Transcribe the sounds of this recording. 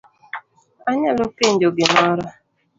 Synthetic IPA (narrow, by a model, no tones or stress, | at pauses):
aɲalopen̩doɡɪmɔɾɔ